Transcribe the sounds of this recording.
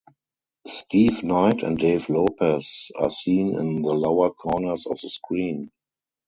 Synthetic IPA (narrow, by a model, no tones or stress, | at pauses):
stʰiːvnaɪtʰɛ̰̃nt̚deɪvlopʰəsa̰sĩːnɪ̰̃nðəlaʊə˞kʰɔːnə˞sɔ̰fðəskɹĩːn